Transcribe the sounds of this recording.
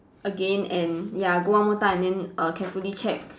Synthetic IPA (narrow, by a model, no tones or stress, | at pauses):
ʔəɡẽnɛ̃njaɡoamot̪ãɛ̃ndɛ̃nʔəkʰɛfulit͡ʃʰɛk̚